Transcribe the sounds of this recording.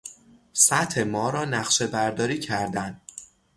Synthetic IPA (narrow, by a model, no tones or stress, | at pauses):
sæt̪ʰemɒːɾɒːnæχʃe̞bæɾd̪ɒːɾiːcʰæɾd̪æn